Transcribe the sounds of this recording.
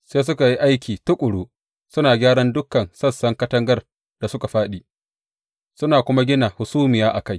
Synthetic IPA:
seː˦s̬ʊ˦ka˨ji˦ʔa˦jkʲʰiː˨tʊ˦kʷʼʊ˨ɽuː˦ | sʊ˦naː˨ɡʲaː˦ɽɐ˦ndʊ˦kːɐ˨nsɐ˦sɐ˦ŋkɐ˦tɐ˦ŋɡɐ˦r | d̥a˨sʊ˦ka˨ɸaː˦ɗiː˨ | sʊ˦naː˨kʷʊ˦ma˦ɡʲɪ˦na˨hʊ˨suː˦mɪ˨jaː˦ʔa̰˨ka˦j

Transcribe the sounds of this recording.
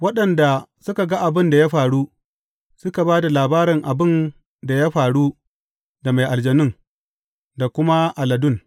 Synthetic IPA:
wɐ˦ɗɐ˨nda˨sʊ˦ka˨ɡa˦ʔa˨bɪ˦nda˨ja˦ɸaː˨ɽuː˦ | sʊ˦ka˨baː˦da˨laː˨baː˦ɾɪ˨ŋʔa˨bɪ˦˨n | da˨ja˦ɸaː˨ɽu˦ | da˨ma˨jʔa˨ld͡ʒɐ˨nɪ˦ŋ | da˨kʷʊ˦ma˦ʔa˨lɐ˨dʊ˦n

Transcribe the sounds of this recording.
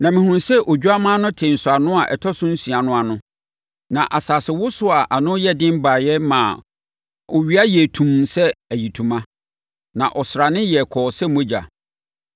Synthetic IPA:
nã˨mɪ̃˨hũ˨nsɛ˦ʔɔ˨d͡ʑᶣu˦a˦mã˦nʊ̃˦tʰɪ̃˨n̩˨sʊ˨a˨nʊ̃˦a˨ʔɛ̰˨tʰɔ˦sʊ̃˦n̩˦si˨a˨nʊ̃˦a˨nʊ̃˦ | nã˨ʔa˨saː˨sɪ˨wʊ˦sʊ˦a˨ʔa˨nʊ̃˦jɛ˦dɪ̃˦m˦ba˨jɛ˦mã˨ | ɔ˨ɥi˦a˦jɛ˨tʰũ˨m˨sɛ˦æ˨ji˨tʰũ˨mã˦ | nã̰˨ʔɔ˨sɾa˨nɪ̃˦jɛ˨kʰɔː˨sɛ˦mõ˦d͡ʑa̰˨

